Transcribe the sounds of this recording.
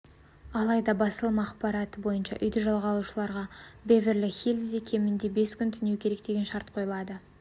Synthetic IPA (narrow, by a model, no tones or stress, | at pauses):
ɑlˠɑjd̪ɑbɑsəlˠəmɑːqpɑɾɑt̪əbo̞jənʃɑ̰ʔʏ̰jd̪ɪʒɑlˠʁɑlˠuʃəlˠɑɾʁɑbevɪɾlɪxʲelʲzikʲʰe̞mɪnd̪e̞be̞skʲʰʏnt̪ʰʏnekʲʰe̞ɾe̞k̚d̪e̞ɡʲe̞nʃɑɾt̪qʰo̞jəlˠɑd̪ə